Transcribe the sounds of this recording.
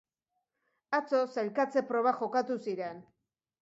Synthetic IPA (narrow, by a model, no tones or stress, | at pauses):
at͡so̞salkat͡se̞pɾo̞βaxo̞kat̪usiɾe̞n